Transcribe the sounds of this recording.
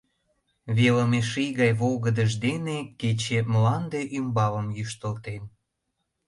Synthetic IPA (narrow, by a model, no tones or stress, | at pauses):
βeləmeʃijɣɑjβoɣəd̪əʒd̪eneket͡ɕemlɑnd̪eʔymbɑβə̆mjyʃt̪əlt̪em